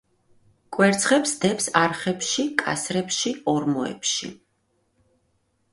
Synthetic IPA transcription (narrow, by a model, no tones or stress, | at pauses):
kʼwɛɾt̪sʰχɛpsd̪ɛpsaɾχɛpʃikʼa̰sɾɛpʃiɔɾmɔɛ̰pʃḭ